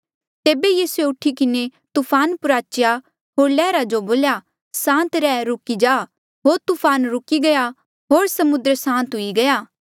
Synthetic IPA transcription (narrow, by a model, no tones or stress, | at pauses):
t̪eːbejiːsueʊʈʰikɪnet̪upʰaːnpʊɾaːt͡ʃja | ɦoːɾlɛːɾad͡ʒoboːlja | sãːnt̪ɾɛːɾʊkid͡ʒaː | ɦoːɾt̪upʰaːnɾʊkiɡɐja | ɦoːɾsɐmʊd̪ɾsãːnt̪ɦʊiɡɐjaː